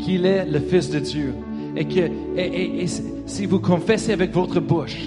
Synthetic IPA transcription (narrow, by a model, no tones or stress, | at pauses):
kʰilɛləfɪsd̪əd̪jø | ekə | eʔeʔes | sivukʰɔ̃fɛseavɛkvot̪χəbuʃ